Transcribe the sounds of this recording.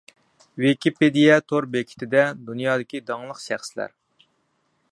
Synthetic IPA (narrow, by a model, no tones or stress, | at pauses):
wɪkʲiped̪ijɛt̪ʰoɾbekʲʰi̥t̪ʰɪd̪ɛd̪unjɑːd̪ɪkʲid̪ɑŋlˠəqʃæχsɪlæ̰ɾ